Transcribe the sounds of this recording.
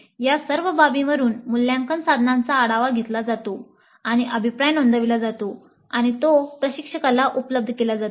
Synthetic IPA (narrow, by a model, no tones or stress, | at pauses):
jasəɾʋəbabiməɾuːnmulːjãŋkənsad̪ʱnãnt͡saːɽaʋaɡʱet̪lad͡zat̪o | aɽ̃iʔəbʱipɾajnond̪əʋilad͡zat̪o | aɽ̃it̪opɾəɕikʂəkalaʔupləb̚d̪ʱəkelad͡zat̪